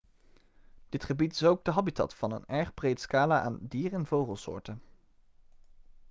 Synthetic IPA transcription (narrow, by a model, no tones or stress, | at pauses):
d̥ɪtχəbitɪsowɡ̚dəɦɑbitɑ̰tfɑnə̰nɛɹχbrejtskaːlaʔa̰ːndiːrɛnvowχəlˠsʊ̰ːɹtən